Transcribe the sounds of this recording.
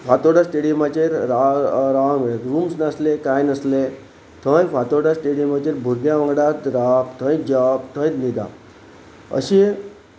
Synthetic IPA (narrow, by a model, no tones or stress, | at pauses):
fat̪oɽasʈeɽimat͡ɕeɾaɾaɾuːmsnaslekajnəsle | t̪ʰə̃jfat̪oɽasʈeɽijmat͡ɕeɾbʱuɾɡjãʋə̃ŋɡɽat̪ɾapt̪ʰə̃jt̪d͡ʑapt̪ʰə̃jt̪nid̪a̰ | ə̰ɕi